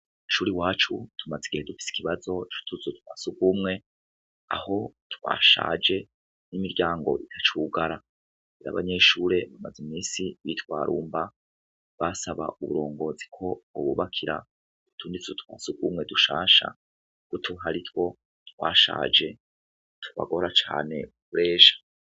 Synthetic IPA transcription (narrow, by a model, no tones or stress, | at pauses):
uʃuːɾiwaːt͡ʃutʰumaziɡihe̞dufi̥si̥kiβazo̞t͡ʃu̥tʰuzutwaːsuɡumŋe̞ | a̰ho̞twa̰ːʃa̰ːd͡ʒe̞ | nimiɾɟaːŋɡo̞̰ʔitʰat͡ʃuɡaɾa | iɾa̰βa̰ɲe̞ʃuːɾe̞βamazimiːsiβitwaːɾʔuːmba | βasaβa̰ʔuβuɾo̞ːŋɡo̞ːzikʰo̞uβṵβakʰiɾa̰ | utʰuːndit͡sutwaːsuɡumŋe̞duʃa̰ːʃa̰ | kutʰuɦaɾitwo̞ | twa̰ːʃa̰ːd͡ʒe̞ | tʰuβa̰ɡo̞ɾat͡ʃa̰ːne̞̰ukuɾe̞ːʃḁ